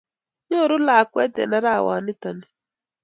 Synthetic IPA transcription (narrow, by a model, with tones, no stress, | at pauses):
ɲo˦˨ɾʊ˦la˨kwɛ˦tɛ̰˨na˦ɾa˦˨wa̰˨nɪ˦ta˨ni˨